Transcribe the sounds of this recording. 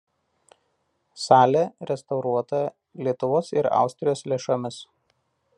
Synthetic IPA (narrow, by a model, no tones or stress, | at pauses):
sɑːlʲeɾʲɛst̪ɐʊɾuɔt̪ɐ | lʲiɛt̪ʊʋoːsɪɾɑ̰ˑʊsʲt̪ʲɾʲɪjoːslʲeːʃomʲɪs